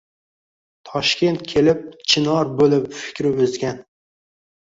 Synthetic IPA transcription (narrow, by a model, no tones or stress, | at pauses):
t̪ʰɒʃkʲe̞nt̪̚kʲʰe̞lɪp̚t͡ʃʰɪnɒɾbolɪpfɪ̥kʲɾɪɵzɡʲan